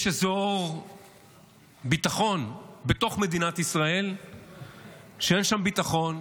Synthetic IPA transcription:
jʃezo̞ʁ | bit̪aχo̞nbe̞t̪o̞χme̞d̪inat̪isʁae̞l | ʃeenʃambit̪aχo̞n

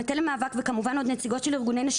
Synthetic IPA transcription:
et̪elemaːvakvekamuvano̞d̪net͡siɡo̞t̪ʃeliʁɡune̞jnaʃ

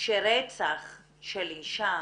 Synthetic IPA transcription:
ʃeɾet͡saχ | ʃeliʃa

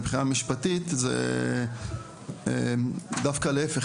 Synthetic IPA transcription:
bχinamiʃpatit̪zḛ | ed̪afkaleefeχ

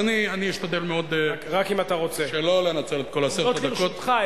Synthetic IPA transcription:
anianiiʃt̪ad̪elmeo̞d̪ʁakimat̪aʁo̞t͡seʃelolenat͡selet̪kolased̪akot̪χa

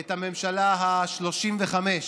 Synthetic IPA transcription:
ethame̞mʃalaɦaʃlo̞ʃimveχameʃ

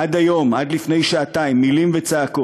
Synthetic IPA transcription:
ʔadajo̞madlifne̞jʃaataimːilimvet͡saako

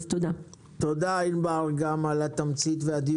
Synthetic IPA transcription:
t̪od̪a | t̪od̪ainbaʁɡamalat̪amt͡sit̪vead̪i

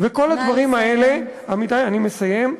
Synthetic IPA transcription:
veko̞lad̪vaʁimae̞le̞ | amit̪ajanime̞saje̞m

